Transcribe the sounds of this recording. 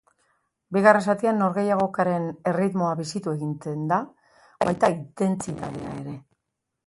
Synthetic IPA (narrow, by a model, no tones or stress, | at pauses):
biɣaresat̪ianːo̞ɾɣe̞jaɣ̞o̞kaɾe̞ne̞rit̪mo̞aβisit̪ue̞ɣint̪end̪a | βajt̪aint̪e̞nt͡sit̪a̰ðḛa̰e̞̰ɾe̞